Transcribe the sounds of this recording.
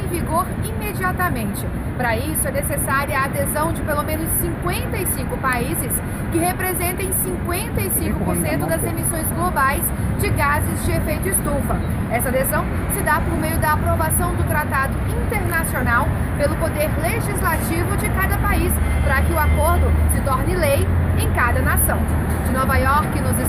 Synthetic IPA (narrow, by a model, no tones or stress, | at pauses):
ẽj̃viɡoɾimed͡ʒiat̪ɐmẽnt͡ʃɪ | pɾɐisʊɛnesesaɾiɐːd̪ezɐ̃w̃d͡ʒɪpelomẽnʊsːĩŋkwẽnt̪ɐisĩŋkʊpaizɪs | kɪhepɾezẽnt̪ẽj̃sĩkwẽnt̪ɐisĩkʊpoɾsẽnt̪ʊd̪ɐzemisõj̃zɡlobajs | d͡ʒɪɡazɪzd͡ʒɪefejt̪ʊɪst̪ufɐ | ɛsɐd̪ezɐ̃w̃ | sɪd̪apoɾmejʊd̪ɐːpɾovasɐ̃w̃d̪ʊt̪ɾat̪ad̪ʊĩt̪eɾnasionaw | pelʊpod̪eɾleʒizlat͡ʃivʊd͡ʒɪkad̪ɐpaispɾɐkɪʊakoɾd̪ʊsɪt̪ɔɾnɪlejẽj̃kad̪ɐnasɐ̃w̃ | d͡ʒɪnɔvajɔɾkɪnɔzɪ